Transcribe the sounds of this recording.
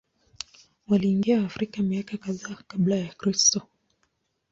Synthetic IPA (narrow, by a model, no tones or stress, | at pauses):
waliːŋɡiaːfɾikamiakakaðaːkablajakɾistɔ